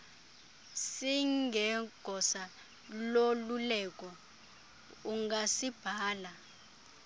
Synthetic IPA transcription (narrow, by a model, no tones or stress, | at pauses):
siŋɡʱɛɡ̥ʱɔsa | lolulɛkʼɔ | uŋɡasib̥ʱaːla